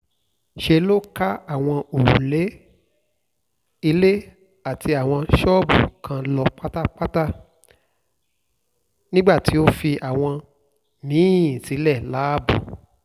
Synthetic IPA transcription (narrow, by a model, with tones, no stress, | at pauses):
ʃe˧lo˦ka˦a˦˨w̃ɔ̃˧o˨ɾu˨le˨˦ | i˧le˦ | a˦˨ti˧a˨w̃ɔ̃˧ʃɔː˦bṵ˨kʰã˧lɔ˧k͡pa˦ta˦k͡pa˦ta˦ | nĩ˦ɡ͡ba˦˨ti˨˦o˦fi˧ʔa˨w̃ɔ̃˧ | nĩː˨˦˨ĩ˨si˨˦lɛ˦˨la˨˦˨bṵ˨